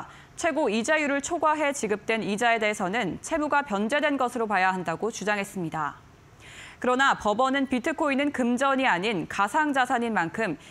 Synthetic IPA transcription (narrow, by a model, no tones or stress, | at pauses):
t͡ɕʰwe̞ɡoid͡ʑajuɾɯɭt͡ɕʰoɡwaɦe̞t͡ɕiɡɯp̚t͈we̞nid͡ʑae̞de̞ːsʰʌnɯnt͡ɕʰe̞muɡapjʌnd͡ʑe̞dwe̞nɡʌsʰɯɾopajaɦandaɡot͡ɕud͡ʑaŋɦe̞s͈ɯmɲida | kɯɾʌnapʌbʌnɯnpitʰɯkʰoinɯnkɯmd͡ʑʌɲiaɲinkasʰaŋd͡ʑasʰaɲinmankʰɯm